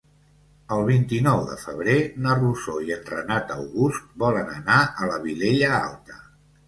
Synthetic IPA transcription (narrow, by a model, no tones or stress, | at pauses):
əlˠβ̞int̪inɔwðə̰fəβ̞ɾenəruzoiənrə̰nat̪əwɣust̪̚bɔlənənaʔələβileʎəa̰lˠt̪ə̥